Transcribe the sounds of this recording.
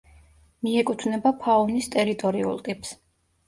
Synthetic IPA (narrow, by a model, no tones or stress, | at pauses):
miɛkʼut̪ʰvnɛbapʰaɔnist̪ʼɛɾit̪ʼɔɾiṵlˠt̪ʼips